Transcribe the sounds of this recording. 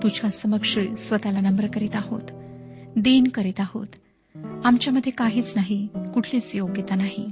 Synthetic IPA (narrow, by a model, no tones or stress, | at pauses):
t̪ud͡ʑʰasəməkʂəɭsʋət̪alanəmbəɾkəɾit̪aɦo̰t̪d̪inkəɾit̪aho̰t̪ | amt͡ɕjaməd̪ʱːjekaɦiːt͡snaɦikuʈʰliːt͡sjoɡjet̪anaɦḭ